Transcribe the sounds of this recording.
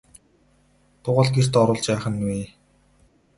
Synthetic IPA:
t̪ʊʁə̆ɮɡer̥t̪ɔɾʊːɮt͡ɕpæːχə̆nwiː

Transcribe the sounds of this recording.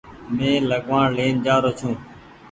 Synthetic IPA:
mẽːləɠʋãːɳleːnd͡ʒaːɾoːt͡ʃʰũː

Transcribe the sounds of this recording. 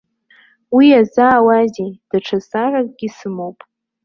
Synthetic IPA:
wiazaːwazed̥aʈ͡ʂʰasarak̚ʼɡ̥ʲisɨmo̞wpʼ

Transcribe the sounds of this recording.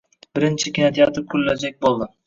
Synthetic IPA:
bɪɾɪnt͡ʃʰɪkʲɪnat̪ʰijɒt̪ʰɪp̚kʰʊlːad͡ʒak̚ʲbolˠd̪ɪ

